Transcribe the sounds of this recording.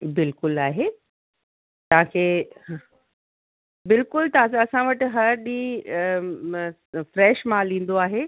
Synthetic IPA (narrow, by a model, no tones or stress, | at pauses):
bɪlkʊlaːɦe | t̪ɐʋ̤ãkʰeː | bɪlkʊlt̪ɐãɐsãʋɐʈɦɐɾɗĩː | fɾɛːʃmãlĩːn̆d̪oaːɦeː